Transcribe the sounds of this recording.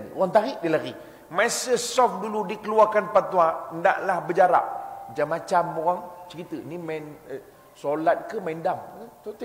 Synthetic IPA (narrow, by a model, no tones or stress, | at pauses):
no̰ɣaŋt̪aɾiʔdilaɡi | masəsɔfduludikəluakanpant̪uãənda̰ʔlahbəd͡ʒaɾa̰ʔd͡ʒamːat͡ʃamoɣaŋt͡ʃəɾit̪əiniman | solat̪̚kəmaindamt̪ut̪